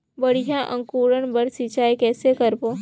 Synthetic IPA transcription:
bəɽ̤ijaʔə̰̃ŋkuːɾəɳ̃bəɾsit͡ʃaːekɛːsekəɾboː

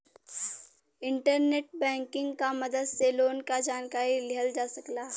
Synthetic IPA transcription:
ɪ̃ɳʈəɾneːʈ̚bɛ̃ːŋkɪ̃ŋɡkamɐd̪əd̪seloːnkad͡ʒaːnkaːɾilɪɦəld͡ʒaːsɐklaː

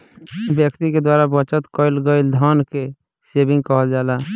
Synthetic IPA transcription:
bjəkt̪iked̪waːɾabət͡ʃət̪kɔɪlɡəɪld̪ʱɔnke | sebɪ̃ŋɡkɔɦəld͡ʒaːla

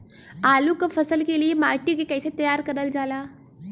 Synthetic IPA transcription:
aːlukafʰɐsəlkeliemaːɾʈikekɛɪset̪ɐjaːɾkɐɾəld͡ʒaːlaː

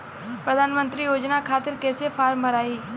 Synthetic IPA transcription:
pɾəd̪ʱaːnmə̃nt̪ɾijoːd͡ʒnakʰaːt̪ɪɾkɛːsepʰaːɾmbəɾaːiː

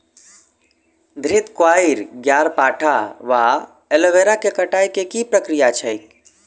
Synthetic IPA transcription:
d̪ʱɾit̪kwaiɾɡjaɾpaʈʰaʋa | eloʋeɾakekəʈajkekipɾəkɾijat͡ʃʰəjk̚

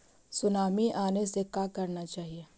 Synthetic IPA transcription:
sʊnaːmiʔaːnesekaːkɐɾnat͡ʃaːɦieː

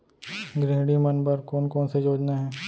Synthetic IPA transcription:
ɡɾeːɦɽimənbəɾkɔːnkɔːnsejoːd͡ʒnaɦɛ̃ː

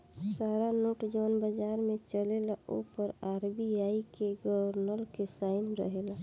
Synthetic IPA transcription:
saːɾanoːʈd͡ʒɔːnbəd͡ʒaːɾmẽt͡ʃəlelaʔo̰pəɾaːɾbiaːikeɡəɾnəlkesaːɪnɾə̰ɦela

